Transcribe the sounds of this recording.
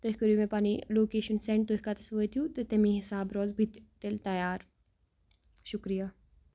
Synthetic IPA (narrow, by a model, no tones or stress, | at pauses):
t̪oɦikɐɾimẽpaːniloːkeːʃənseɳʈ̚t̪oɦʲikat̪ɐsʋoːt̪ʰijut̪et̪ɐmĩɦɪsaːbɾoːzbʱit̪t̪elt̪ɐjaːɾ | ʃʊkɾija